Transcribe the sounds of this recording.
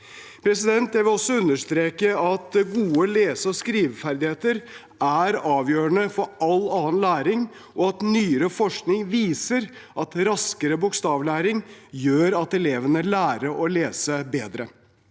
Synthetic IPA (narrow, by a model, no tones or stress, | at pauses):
pʰɾɛsɪd̪ɛnt̪jæɪʋɪlɔsːɔʉnːəʂt̪ɾeːkəɑt̪ɡuːəleːsəɔskɾiːʋfæɾd̪ɪheːt̪əɾ | æɾɑːʋjøːɾəɳəfɔɾʔɑlːɑːənlæːɾɪŋ | ʔɔɑt̪nyːəɾəfɔʂknɪŋʋiːsəɾ | ʔɑt̪ɾɑskəɾəbʊkst̪ɑːʋlæːɾɪŋjøːɾɑt̪ɛleːʋənəlæːɾəʔɔleːsəbeːd̪ɾə